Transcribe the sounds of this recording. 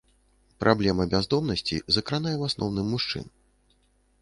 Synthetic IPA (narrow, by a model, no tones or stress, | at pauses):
pɾʔablʲɛmɐbʲazd̪ɔmnɐsʲt͡sʲḭzɐkɾanajɛwasnɔ̰wnɨmːuʂt͡ʂɨ̰n